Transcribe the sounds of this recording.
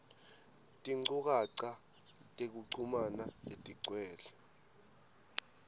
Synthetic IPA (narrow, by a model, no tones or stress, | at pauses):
tʼiŋ͡ǀuk̬aǀatʼek̬uǀʰumanaletʼiǀwɛːlɛ